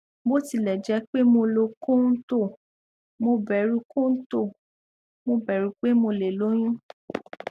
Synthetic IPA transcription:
bo˦ti˧˨lɛ˨d͡ʒɛ˨˧˦k͡pe˦mo˧lo˧kõ˦n̩˦to˦˨ | mo˧bɛ˨ɾu˨˧kõ˦n̩˦to˦˨ | mo˧bɛ˨ɾu˨˧k͡pe˦mo˧le˨lo˨˦j̃ũ˦

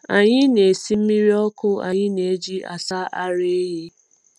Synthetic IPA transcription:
a˨ɲɪ˦ne˨si˦m̩˦mi˦ɾi˦ɔ˦kʊ˦a̰˨ɲɪ˦ne˨e˦d͡ʒi˦a̰˨sa˦ʔa˦ɾe˦e˦ɦe˦

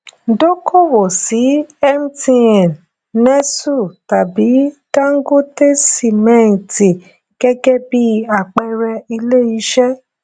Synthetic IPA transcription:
do˦kʰo˦˨wo˨si˨˦ɛ˦m̩˦tĩ˧ɛ̃˨n | nɛ̃˦su˦˨ta˨bi˨˦dã˦ŋ̩˦ɡo˦te˦si˦˨mɛ̃˨˦ĩ˨ti˨ | ɡ̥ɛ˦ɡɛ˦bi˦a˦˨k͡pɛ˦ɾɛ˧i˧le˦i˨˦ʃɛ˦

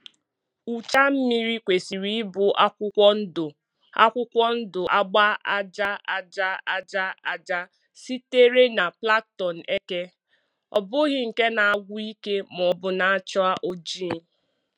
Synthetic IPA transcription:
u˨t͡ʃa˦m̩˦mi˦ɾi˦kʷe˨si˨ɾi˦bʊ˨ʔa˦ɔ˦n̩˦dʊ˨ | a̰˦kʷʊ˦kʷɔ˦n̩˦dʊ˨ʔa˦ɡ͡ba˦a˦d͡ʒa˦a˨d͡ʒa˦a˨d͡ʒa˦a˨d͡ʒa˦ | si˦te˦ɾe˦na˨pla˦k̚tɔ˨n̩˨ʔe˦ke˦ | ɔ̰˨bʊ˦ɣɪ˦ŋ̩˨ke˦na˨a˦˨ɡʷʊ˦i˦ke˦m˨ɔ˨bʊ˨na˦a˦t͡ʃɔ˦a˦ʔo˦d͡ʒi˦˨n

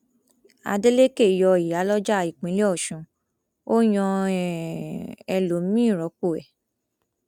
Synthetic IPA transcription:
a̰˧de˦le˦ke˦˨jɔ˧˨i˨a˨˦lɔ˦d͡ʒa˦˨i˨k͡pĩ˨˦le˦ɔ˦˨ʃũ˨˦ | o˦j̃ɔ̃˧ | ɛ˧lo˨˦mĩ˦˨ɾɔ˨˦ko˦˨ɛ̰˨

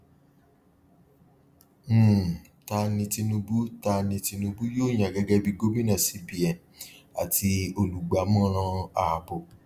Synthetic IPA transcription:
m̩˦˨ | ta˧nĩ˧ti˧nũ˧bu˦ta˧nĩ˧ti˧nũ˧bu˦joː˦˨j̃ã˨ɡɛ˦ɡɛ˦bi˦˧ɡo˦mĩ˦nã˦˨si˨˦bi˨ɛ˨ | a̰˨ti˧o˧lu˨ɡ͡ba˨˦mɔ̃˦ɾ̃ã˧a˨bo˨

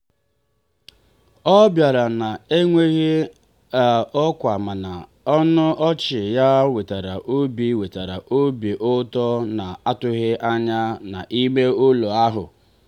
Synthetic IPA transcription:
ɔ˦bja˨ɾa˨na˨e˦ŋʷe˦ɣɪ˦ | a˨ɔ˦kʷa˨ma˨na˨ | ɔ˦nʊ˦ʔɔ˦t͡ʃɪ˨ja˦we˨ta˨ɾa˨ʔo˦bi˦we˨ta˨ɾa˨ʔo˦bi˨ʔʊ˦tɔ˦na˨a˦tʊ˦ɣɪ˦ʔa˦ɲa˦na̰˨ʔi˦me˦o˦lo˨a˦ɦʊ̰˨

